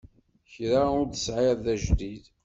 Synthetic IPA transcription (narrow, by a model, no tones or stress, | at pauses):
çɾaʊɾd̪əsʕɪɾðæʒd̪id̪